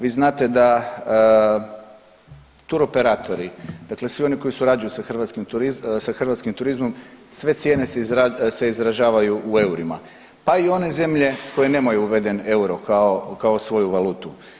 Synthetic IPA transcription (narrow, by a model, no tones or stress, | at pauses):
ʋiːznaːt̪e̞d̪a | t̪uɾo̞pe̞ɾat̪ʰo̞ɾid̪̥akle̞sʋio̞niko̞jisuɾaːd͡ʒujusaxr̩ʋat̪skimt̪uɾizsaxr̩ʋat̪skimt̪uɾizmo̞msʋe̞t̪sje̞ːne̞sezase̞izɾaʒaːʋajuʔue̞uɾima̰ | paio̞ne̞ze̞mʎe̞ko̞je̞ne̞mojuuʋe̞d̪e̞neuɾokaokaosʋo̞juʋalˠuːt̪u